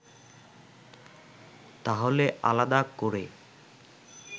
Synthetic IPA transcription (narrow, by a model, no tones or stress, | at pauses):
t̪aɦoleʔa̰lad̪akoɾe